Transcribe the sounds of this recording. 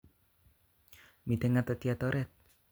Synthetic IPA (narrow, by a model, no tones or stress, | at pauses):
mid̪əŋat̪ət̪iat̪oɾʔɛt̪̚